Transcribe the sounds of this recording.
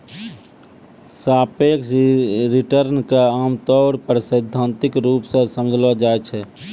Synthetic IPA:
saːpeksɾiʈəɾnkaaːmt̪ɔʊɾpɾəsəɪd̪ʱːãːnt̪ɪkɾuːpsə̃səmd͡ʒʱlɔd͡ʒaɛt͡ʃʰɛ

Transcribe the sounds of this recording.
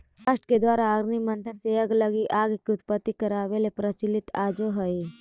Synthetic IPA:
aʃʈked̪waːɾaːɡɾnimə̃nt̪ʰənseɐɡləɡiʔaːɡkiʊt̪pət̪ːikɐɾaːʋelepɾət͡ʃilɪt̪aːd͡ʒoɦəe

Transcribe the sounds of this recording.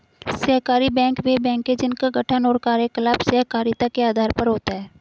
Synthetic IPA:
sɐɦkaːɾibɛ̃ːŋkʋebɛ̃ːŋkːed͡ʒɪnkaɡʱɐʈʰənɔːɾkaːɾjəkɐlaːbsɐɦkaːɾjət̪akeaːd̪ʱaːɾpɐɾɦoːt̪aɦɛː

